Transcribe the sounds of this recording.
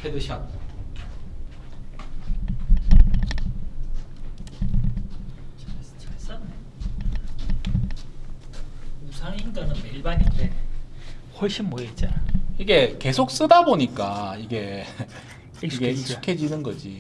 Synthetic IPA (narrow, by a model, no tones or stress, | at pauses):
edɯɕʰʌt̚ | s͈ | usʰaŋinɡanɯnmeɭbaɲinde | hʌɭɕ͈inmojet͡ɕ͈aiɡe̞ke̞sʰok̚s͈ɯdaboɲik͈aiɡe̞ | iɡeu̥kʰe̞d͡ʑinɯnɡʌd͡ʑi